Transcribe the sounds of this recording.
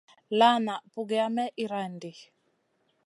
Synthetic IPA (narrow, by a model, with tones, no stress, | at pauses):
la˦na˨pu˨ɡɛ˨a˦mɛ˦ʔi˦ɾa˨ndi˨